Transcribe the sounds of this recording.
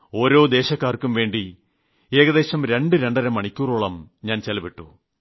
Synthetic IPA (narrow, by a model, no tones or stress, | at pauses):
o̞ːɾo̞ːd̪e̞ːɕɐkːaːrkːumʋe̞ːɳɖi | e̞ːɣɐðe̞ːɕɐmɾe̞ɳɖɨɾe̞ɳɖɐɾɐmːɐɳikʲːuːruɭɐmɲaːnt͡ɕelɐbiʈːu